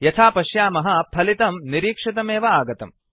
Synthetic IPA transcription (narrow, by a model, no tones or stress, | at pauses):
jɐt̪ʰaːpɐʃjaːmɐɦɐpʰɐlit̪ɐmniɾiːkʂit̪̬ɐmeːʋɐaːɡɐt̪ɐ̰m